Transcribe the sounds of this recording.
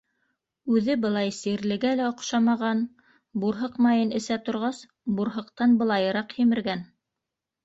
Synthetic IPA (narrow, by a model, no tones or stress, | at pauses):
ʉðɘbɤ̆lˠɑjsiɾlɘ̆ɡælæŏqʃɑmɑʁɑn | buɾɦɤqmɑjɤnɘ̆sæt̪ŏɾʁɑs | buɾɦɤ̆qt̪ɑnbɤ̆lˠɑjɤ̆ɾɑqhimɘ̆ɾɡæn